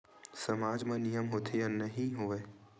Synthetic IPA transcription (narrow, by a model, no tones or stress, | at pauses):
sɐmaːd͡ʒmɐ̃nijəmɦoːt̪ʰejə̃nɐɦĩɦoʋe